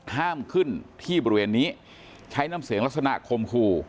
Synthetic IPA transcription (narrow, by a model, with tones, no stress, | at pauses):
haː˥˩mkʰɯ˥˩nt̪ʰiː˥˩bɔː˧ɾi˦weː˧nːiː˦˥ | t͡ɕʰa˦˥jnaː˦˥˩msɯ˨˩˦ŋla˦˥t̚sa˧na̰˧˩ʔkʰo˧mkʰuː˧